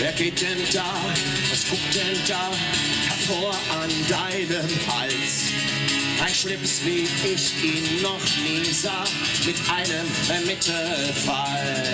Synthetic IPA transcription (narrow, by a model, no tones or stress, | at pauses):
vɛɐɡeːd̥ɪnd̥aː | ɛskʰʊk̚d̥ɪnd̥a | kʰatʰoː | ʔandaɪnəmhalsʰ | aɪnʃlɪpsviː | ɪçiːnːɔχniːzaː | mɪtaɪnəmfɛmɪtʰə | fa | l